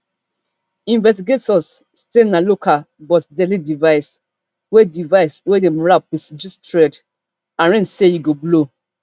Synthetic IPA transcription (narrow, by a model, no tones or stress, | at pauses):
ĩnvɛstiɡetɔs | tenalokʰa | bɔtdelidivaɪs | wedivaɪswedemɹap̚isd͡ʒustɹɛd | ãnɹɛ̃nsejuɡoblo